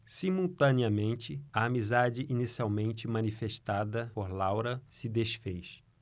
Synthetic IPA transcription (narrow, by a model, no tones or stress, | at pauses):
simuwt̪ɐ̃niɐmẽnt͡ʃɪɐːmizad͡ʒɪʔinisiawmẽnt͡ʃɪmɐ̃nifeʃt̪ad̪ɐpoɾlawɾɐsɪd̪esfejʃ